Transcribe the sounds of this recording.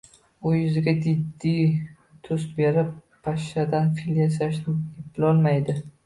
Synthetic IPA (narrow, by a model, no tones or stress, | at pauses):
ʊjʊzɪɡʲad͡ʒɪd̪ːi | t̪ʰʊsbe̞ɾɪpʰː | aʃad̪anfiljas̬aʃnɪɪplɒlˠmajd̪ɪ